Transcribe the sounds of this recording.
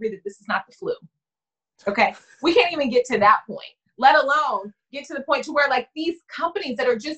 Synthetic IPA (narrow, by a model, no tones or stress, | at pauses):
ɹiðɨt̪̚ðɪsɨznət̪̚ðəflu | oʊkeɪ | wikʰæ̃ntivɨ̃nɡɛtʰɨðət̚pʰɔ̰̃ɪ̃nt̚ | lɛɾəlõʊ̃n | ɡ̥ɛtʰɨðɨpʰɔ̃ɪ̃ntʰəwə˞laɪk̚ðiz̥kʰʌ̃mpɨnizðɨɾə˞d͡ʒʌs